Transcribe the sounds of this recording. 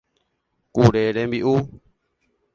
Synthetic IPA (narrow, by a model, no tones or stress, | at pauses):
kuɾeɾembiʔu